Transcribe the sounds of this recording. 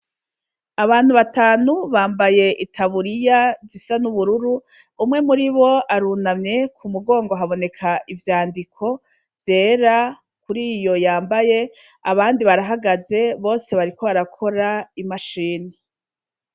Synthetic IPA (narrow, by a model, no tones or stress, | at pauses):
aβaːn̥huβataːnuβaːmbaje̞ʔitʰaβuɾijazisanuβuɾuɾuː | mŋe̞muɾiβo̞aɾunamɲe̞kʰumuɡo̞ːŋɡo̞ɦaβo̞ne̞kʰaʔivjaːndikʰo̞ | vje̞ːɾa | kuɾiːjo̞jaːmbaje̞ | a̰βaːndiβaɾaɦaɡaze̞βo̞ːse̞βaɾiko̞βaɾakʰo̞ɾaimaʃiːni